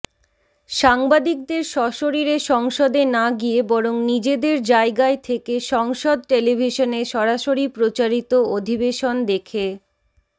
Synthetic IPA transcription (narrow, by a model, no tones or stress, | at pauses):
ʃaŋbad̪ik̚d̪eɾʃɔʃoɾiɾeʃɔŋʃod̪enaɡiebɔɾoŋnid͡ʑed̪eɾd͡ʑaeɡaet̪ʰekeʃɔŋʃod̪̚ʈelibʱiʃoneʃɔɾaʃoɾipɾot͡ɕaɾit̪ood̪ʱibeʃond̪ekʰe